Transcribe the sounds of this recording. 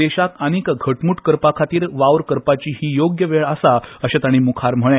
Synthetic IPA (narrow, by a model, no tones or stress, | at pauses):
eɕakañikɡʱəʈmuːʈkəɾpakʰat̪iːɾʋaʋɾkəɾpat͡ɕiːɦiːjoɡjəʋeɭəsaəɕat̪aɽ̃imukʰaɾm̤əɭ̃ẽ